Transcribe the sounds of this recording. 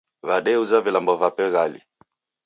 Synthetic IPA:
vaɗɛuzavilambɔvapɛɣalḭ

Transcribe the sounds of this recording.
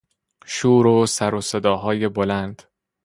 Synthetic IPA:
ʃuːɾosæɾose̞d̪ɒːɦɒːje̞bolænd̪̥

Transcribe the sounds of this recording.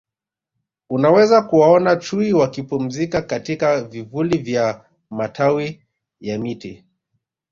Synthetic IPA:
unawɛzakuwaɔnat͡ʃuiwakipum̩zikakatikavivulivja | matʰawi | jamiti

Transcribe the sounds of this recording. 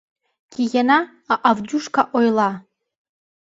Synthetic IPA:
ɡʲijanaː | ʔavduʂkʰaʔojla

